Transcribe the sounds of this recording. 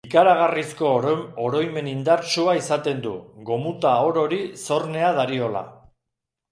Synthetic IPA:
ikaɾaɣ̞arisko̞oɾo̞jme̞nind̪aɾt͡ʃuaisat̪e̞nd̪ṵɣo̞mut̪ao̞ɾo̞ɾiso̞rne̞að̞aɾio̞la̰

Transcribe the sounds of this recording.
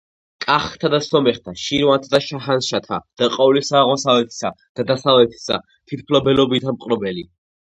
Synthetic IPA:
kʼaχt̪ʰad̪asɔmɛχt̪ʰaʃiɾwant̪ʰd̪aʃaɦanʃat̪ʰa̰d̪̥aqʼɔvlisaːʁɔsavlɛt̪ʰi̥sad̪̥ad̪asavlɛt̪ʰi̥sa̰ | t̪ʰit̪̚ʰpʰlɔbɛlɔbid̪ʰamqʼɾɔbɛli

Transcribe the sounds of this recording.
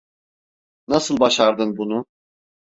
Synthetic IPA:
nasɯlˠbaʃaɾd̪ɯnbunu

